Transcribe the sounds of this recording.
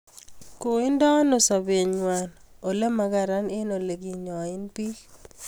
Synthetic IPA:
ko˨ɪ˦nda˦no˨sa˨be˨ɲwa˨no˨le˦ma˨ɡa˦ɾa˦ne˦no˨le˨ɡi˦˨ɲɔ˨ɪ˦npi˦

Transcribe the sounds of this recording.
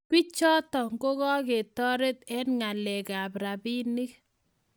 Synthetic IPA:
kwi˦t͡ʃɔ˦tɔ˨ŋɡo˦ɣɔ˦ke˨tɔ˦ɾe˦t̪ɛ˦nŋa˨lɛ˨ka˨pɾa˨bi˦ni˦k

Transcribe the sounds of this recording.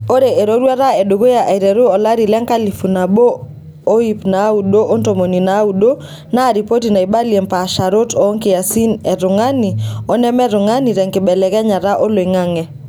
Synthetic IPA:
o˦ɾe˨e˨ɾo˦ɾwa˦ɾa˦ɛ˨do˨ɡo˦ja˨ʔa˨i˨ɾɛ˨ɾu˦ɔ˨la˦ɾi˨lɛ˦ŋka˦li˨fu˨na˨boː˦ | i˦pna˨˦u˨do˦ʔo˦nto˨mo˨ni˨na˨˦u˨do˦ | na˦˨ɾi˨po˦ti˨na˨i˨ba˦lie˨mpa˨ʃa˨ɾo˦tɔː˨˦ŋkɪ˨ja˨si˦nɛ˨ɾʊ˨ŋa˦ni˨ɔ˦nɛ˦mɛ˦ɾʊ˨ŋa˦ni˨ɾɛ˨ŋkɪ˨bɛ˨lɛ˨kɛ˦ɲa˨ɾa˦ʔo˦lo˨e˨ŋa˦ŋɛ˨

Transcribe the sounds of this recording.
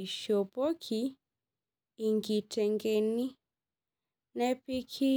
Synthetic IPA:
i˨ʃɔ˨pɔ˦kʰi˨ | ŋɡi˨tɛ˨ŋɡɛ˨ni˦ | nɛ˦pi˦kʰi˦

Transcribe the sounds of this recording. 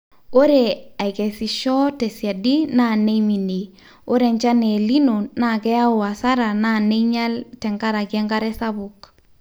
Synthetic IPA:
o˦ɾe˨a˨jke˨si˨ʃɔ˦te˨sja˨di˦na˦˨ne˦mi˨ni˨ | o˦ɾe˨ɲt͡ʃa˦ne˨li˦nu˨na˦˨kɛ˦a˦ʊ˨a˨sa˦ɾa˨na˦˨ne˦ɲa˦ltɛ˨ŋka˦ɾa˨kɛ˦ŋɡa˦ɾɛ˦sa˦buk

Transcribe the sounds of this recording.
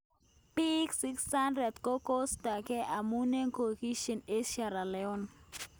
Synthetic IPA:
pi˦ksi˦ksa˦ndɾɛ˨d̪ko˦ko˦sta˨ke˦ʔa˨mu˦ne˦ŋko˨ki˦ʃe˨ne˦ʃa˨ɾa˨lɛ˨ɔ˦n

